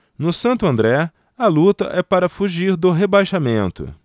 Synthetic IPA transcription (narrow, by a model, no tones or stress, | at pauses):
nʊsɐ̃nt̪ʊɐ̃nd̪ɾɛ | ɐlut̪ɐ̰ʔɛpaɾɐfuʒiɾd̪ʊɦebajʃamẽnt̪ʊ̰